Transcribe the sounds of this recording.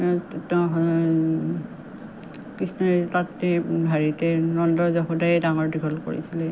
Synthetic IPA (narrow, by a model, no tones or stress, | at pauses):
t | kisnatatːɛbʱaɹitɛnɔndɔzɔxudajɛdaŋɔɹdikʰɔlko̰ɹḭsilɛ